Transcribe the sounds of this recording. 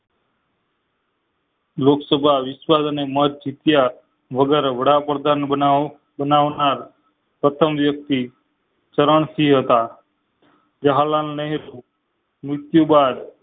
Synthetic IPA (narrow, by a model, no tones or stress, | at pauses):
loksəbʱaʋɪswad̪ənemətd͡ʒit̪ja | ʋəɡeɾʋəɽapɾd̪ʱanə | bənaʋnaɾ | pɾət̪ʰəmʋjək̚t̪i | t͡ʃəɾəɳ̃siɦət̪a | d͡ʒəɦalalnəɦiɾu | mɾɪt̪jubad̪